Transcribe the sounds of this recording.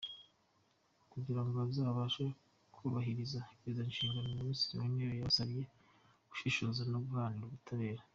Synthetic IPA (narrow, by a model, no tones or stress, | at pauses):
kuɟiɾaŋɡoabzaːβaːʃa | kʰuːβaɦiɾizaizanʃiːŋɡanomumisi̥iwenejojasaβije | ɡ̥u̥ʃiʃo̞zanoβuhaːniɾuβutʰaβe̞ːɾa